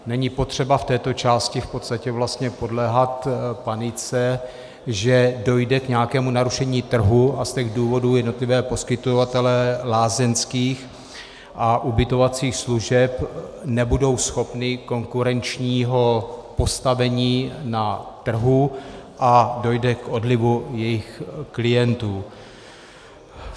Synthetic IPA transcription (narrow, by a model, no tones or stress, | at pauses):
nɛɲɪpo̞t̪r̝̥ɛbaft̪ɛːt̪o̞t͡ʃaːscɪfpo̞t̪st̪acɛvlast̪ɲɛpo̞dlɛːɦat̪panɪt͡sɛ | ʒɛdo̞jdɛkɲɛjakɛːmunaɾuʃɛɲiːt̪r̩ɦuʔascɛɣduːvo̞duːjɛdno̞t̪lɪvɛːpo̞skɪt̪ovat̪ɛlɛlaːzɛnskiːx | ʔaʔubɪt̪o̞vat͡siːxsluʒɛpnɛbudo̞wsxo̞pnɪko̞ŋkuɾɛnt͡ʃɲiːɦo̞po̞st̪avɛɲiːnat̪r̩ɦuʔado̞jdɛkʔo̞dlɪvujɛjɪxklɪjɛnt̪uː